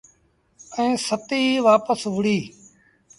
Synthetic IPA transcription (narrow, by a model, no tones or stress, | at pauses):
ɛ̃ːsət̪iːʋaːpəsʋʊɽiː